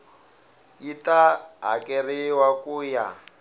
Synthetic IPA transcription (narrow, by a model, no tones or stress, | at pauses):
jitaɦa̰kʼɛriwakuːja